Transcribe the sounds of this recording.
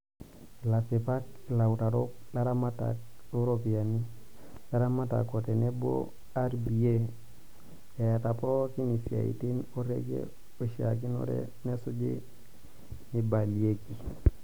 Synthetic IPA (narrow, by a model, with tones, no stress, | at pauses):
la˨fi˨pa˦kla˨wta˨ɾo˦kla˦ɾa˦ma˦ta̰k̚lo˦ɾopi˨a˨ni˦la˦ɾa˦ma˦ta̰˨ko˨te˨ne˦bo̰˦ | a˦ɾbi˨e˦ | ja˨ja˨tapo˦ki˦ni˨sia̰˨ḭ˨ti˦no˦ɾḛ˦ɡḛ˦ | o˨ʃiak̬i˦no̰ɾḛ | ne˦su˦d͡ʒḭ˦ | ni˨ba˨lie˦ki˨